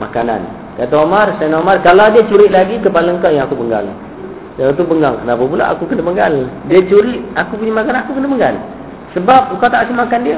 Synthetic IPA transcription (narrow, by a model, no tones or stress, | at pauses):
ma̰kana̰n | kat̪aomarsanomarkalawdiət͡ʃuɾɪʔ̪laɡikəpaləŋkajaŋakupəŋɡa̰l | jat̪̬ubəŋɡaŋkənapap̬ula̰ʔa̰kukənəpəŋɡaldiət͡ʃuɾɪʔakup̬uɲamakananakukənəpəŋɡa̰l | səbap̚kawt̪aʔsimakandiə